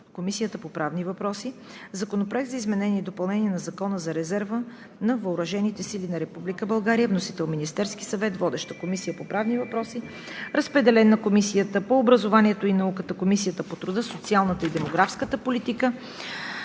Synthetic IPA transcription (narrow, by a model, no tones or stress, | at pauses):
komisijət̪əpopɾavnivɐpɾɔsi | zɐkonopɾoɛk̚t̪zizmɛnɛnʲiɛd̪opɐlˠnɛniɛnɐzɐkɔnəzɐɾɛzɛɾvə | nɐvɐʊɾəʒɛnit̪ɛsilinɐɾɛpublikəbɐlˠɡaɾijəvnosi̥t̪ɛlˠminist̪ɛɾski̥sɐvɛt̪vɔd̪ɛʃt̪əkomisijəpopɾavnivɐpɾɔsi | ɾəspɾɛd̪ɛlɛnːɐkomisijət̪əpoːbɾəzovaniɛt̪oinɐukət̪əkomisijət̪əpot̪ɾud̪əsot̪sialˠnət̪əid̪ɛmoɡɾafskət̪əpolit̪ikə